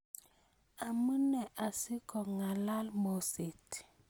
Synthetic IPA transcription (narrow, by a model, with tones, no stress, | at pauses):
a˨mə˦nɛ˨ʔa˨si˦kɔ˨ŋa˨la˦lmɔ˨si˨t